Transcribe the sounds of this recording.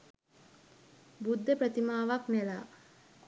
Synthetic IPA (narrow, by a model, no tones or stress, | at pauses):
bud̪ːəpɾət̪imaːʋaknelaː